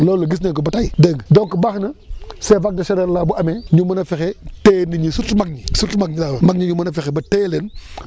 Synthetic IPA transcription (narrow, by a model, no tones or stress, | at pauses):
loːlɐɡis̬nekubataideɡdoŋkəbaxnɐsevak̚dɐʃeɾeɾlabuameɲumɐnɐfixeteniɲisutmak̚ɲisutmak̚ɲilawmakɲiɲumɐnɐfixebɐtelen